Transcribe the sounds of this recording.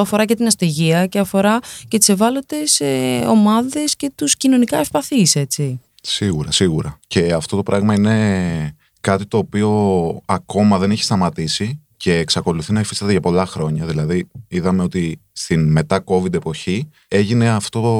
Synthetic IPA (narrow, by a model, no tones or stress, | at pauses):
ɐfo̞ɾɐcet̪inɐst̪eʝiɐceɐfo̞ɾɐcet̪i̥se̞vɐlo̞t̪e̞seo̞mɐðe̞sce̞t̪uscino̞nikɐefpɐθise̞t͡si | siɣuɾɐsiɣuɾɐce̞ɐft̪o̞t̪o̞pɾɐɣmɐine̞ | kɐt̪it̪o̞ːpio̞ɐko̞mɐðe̞niçi̥st̪ɐmɐt̪isi | ce̞ːksɐko̞luθinɐifi̥sɐt̪eʝɐpo̞lɐxɾo̞ɲɐðilɐðiiðɐme̞o̞t̪ist̪inme̞t̪ɐko̞vid̪e̞po̞çi | e̞ʝine̞ɐft̪o̞o